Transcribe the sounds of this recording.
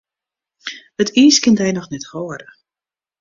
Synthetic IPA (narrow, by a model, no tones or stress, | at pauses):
ətiːskɪntɛjnɔxnɛthoːəɾə